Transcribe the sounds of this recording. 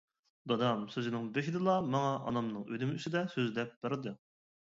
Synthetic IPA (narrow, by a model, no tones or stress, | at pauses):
d̪ɑd̪ɑmsøzɪnɪŋbeʃɪd̪ɨlˠɑmɑŋɑʔɑ̰nɑmnɨŋød̪ɪmysɪd̪ɛsøzd̪ɛp̚b̥eɾɨd̪ɨ